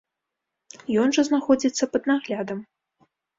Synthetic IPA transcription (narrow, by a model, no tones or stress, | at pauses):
jɔnʐɐznaxɔd͡zʲit̪sːɐpɐd̪naɣlʲad̪ɐm